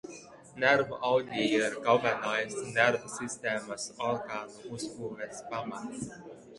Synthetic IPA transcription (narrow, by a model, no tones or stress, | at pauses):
næɾvʔawd̪ʲiɾɡɔvɛnajsnæɾvsist̪eːmasɔɾɡaːnuuspuːvɛspamat̪